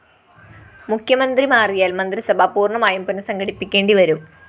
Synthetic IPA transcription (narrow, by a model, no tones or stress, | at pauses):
mukʰjɐmɐnd̪rimaːrijaːlmɐnd̪risɐbʱapuːrɳɐmaːjumpunːɐsɐŋɡɐɽipːikʲːe̞ːɳɖiʋɐɾum